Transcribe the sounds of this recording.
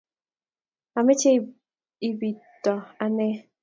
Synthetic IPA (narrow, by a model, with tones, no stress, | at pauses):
a˨mɛ˦t͡ʃe˦˨ | i˨bi˨tɔ˨a˨nɛ˦